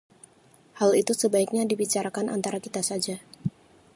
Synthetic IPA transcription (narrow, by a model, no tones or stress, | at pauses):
halit̪usəbaik̚ɲadibit͡ʃaɾakanʔa̰nt̪aɾakit̪asad͡ʒa